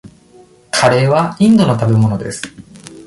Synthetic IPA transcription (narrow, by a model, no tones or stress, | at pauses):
kʰaɾe̞βaĩnd̪o̞no̞t̪abe̞mo̞no̞d̪e̞sɨ̥